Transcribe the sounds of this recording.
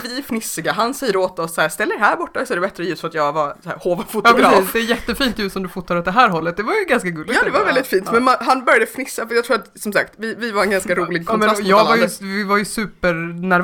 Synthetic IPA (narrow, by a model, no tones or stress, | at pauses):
vɪfnɪsɪɡaɦansɛjːəɾoːt̪ɔsːæːɾst̪ɛlːəɾɦæːɾbɔʈːasɔɛɾɖɛbɛt̪ɾəjʉst̪fɔɾat̪jɑːɡvasæ̰ːɾhoːvafʊt̪jɑsiːsd̪ɛːɾjɛt̪ːəfiːnt̪jʉst̪ːsɔmd̪ɵfʊt̪ːaɾɔt̪d̪ɛɦæːɾɦɔlːət̪̚d̪ɛvaɾjɵɡanskaɡɵlːɪɑːd̪ɛvaɾvɛld̪ɪt̪fiːnt̪mɛnmanɦanbœɾjad̪əfnɪsːafat̪jɑt̪ʰɾuːɾat̪sɔmsa̰kt̪vɪvɪvaɾɛnɡanskaɾuːlɪɡ̚kʰɔmɾjɑːɡvajvɪvaɾjɵsʉ̟ːpəɾnæɾ